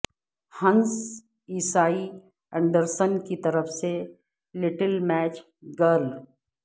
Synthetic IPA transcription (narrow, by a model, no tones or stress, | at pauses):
hɐ̃ns | iːsaːi | ə̃ɳɖəɾsənkit̪ɐɾəfse | lɪʈəlmɛːt͡ʃ | ɡəl